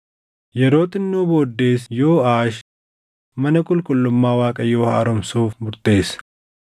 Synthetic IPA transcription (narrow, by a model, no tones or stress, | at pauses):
jɛɾo̞ːt̪ɪnːuːbo̞ːd̪ːe̞ːsjo̞ːaːʃ | mɐnɐkʼʊlkʼʊlːʊmːaːwaːkʼɐjo̞ːha̰ːɾɔmsuːfbʊɾt̪e̞ːs